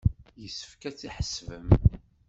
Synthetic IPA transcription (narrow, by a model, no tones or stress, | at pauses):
jəsə̥fkæt͡sːiħə̥svəm